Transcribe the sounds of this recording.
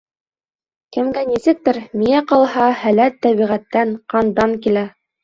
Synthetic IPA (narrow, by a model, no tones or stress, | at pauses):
kɘ̆mɡænisɘ̆k̚t̪ɘɾmijæqɑlˠhɑhælæt̪ːæβiʁæt̪ːænqɑnd̪ɑŋkilæ